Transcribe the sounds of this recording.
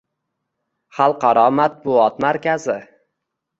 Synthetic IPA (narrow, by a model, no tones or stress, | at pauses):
χɑlˠqʰɑɾɒmat̪̚bʊɒt̪maɾkʲazɪ